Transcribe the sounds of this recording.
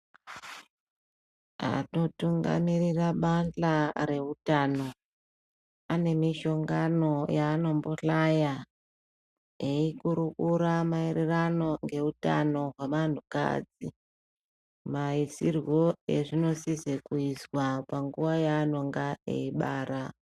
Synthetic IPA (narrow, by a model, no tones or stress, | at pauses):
a̰to̞tuŋɡa̰miɾiraɓanɬaɾe̞utano̞ | ane̞miʃo̞ŋɡano̞jaːno̞mboɬaja | eikuɾukuɾamaererano̞ŋɡe̞uta̰no̞ɦweman̤uka̰ːd͡zi | maisirwo̞ḛʐino̞sisekuizwapaŋɡuʋajaːno̞ŋɡaḛiɓaːɾa